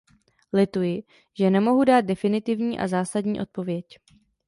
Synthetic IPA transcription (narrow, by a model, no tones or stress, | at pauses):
lɪt̪ujɪ | ʒ̥ɛnɛmo̞ɦudaːt̪̚dɛfɪnɪt̪ɪvɲiːʔa̰zaːsadɲiːʔo̞̰t̪̚po̞vjɛc